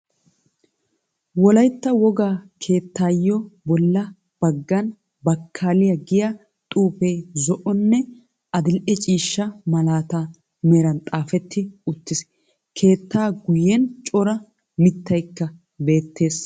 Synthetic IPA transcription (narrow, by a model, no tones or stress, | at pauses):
wɔlɐjt̪ːɐwɔɡaːkʰe̞ːt̪ːaːjːɔbɔlːɐ | b̥ɐɡːɐn | bɐkʰːaːlɪjɐɡɪjɐ | t̪ʼuːpɛjzɔʔɔnːɛ | ɐd̪ɪlʔɛt͡ʃʼiːʃːɐmɐlaːt̪a | mɛɾɐnt̪ʼaːfɛt̪ːɪʊt̪ːɪs | kʰe̞ːt̪ːaːɡʊjɛnt͡ʃʼɔɾɐ | mɪt̪ːɐjkːɐ | be̞ːt̪ːe̞ːs